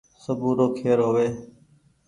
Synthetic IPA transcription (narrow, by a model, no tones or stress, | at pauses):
səbũːɾoːkʰeːɾɦoːʋeː